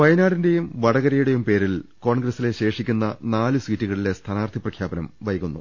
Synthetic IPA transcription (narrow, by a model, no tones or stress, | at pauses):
ʋɐjnaːɽinde̞jumʋɐɽɐɣɐɾɐjuɽe̞jumpe̞ːɾilko̞ːɳɡɾɐsile̞ɕe̞ːʂikʲːunːɐnaːlɨswiːtːiɣɐɭile̞st̪ʰɐnaːrt̪ʰiprɐkʰjaːbɐnɐmʋɐjɐɣunːu